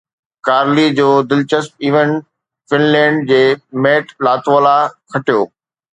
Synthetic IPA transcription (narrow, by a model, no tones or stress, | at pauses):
kaːɾlid͡ʑoːd̪ɪlt͡ɕəsp̚iːʋən | fɪnlɛ̃ːɳɖ̚d͡ʑeːmeːʈlaːt̪ʋoːlakʰɐʈijoː